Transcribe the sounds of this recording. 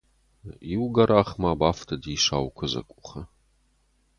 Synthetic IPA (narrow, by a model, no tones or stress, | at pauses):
iwɡɐɾʔaːχmaːbaːftʰɐdiːʂa̰ːwkʷʰɐzɐ̰kʷʼʊχɐ